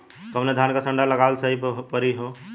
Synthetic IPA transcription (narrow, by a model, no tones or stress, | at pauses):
kəmned̪ʱankasə̃ɳɖaləɡalsəɦipəɾiɦo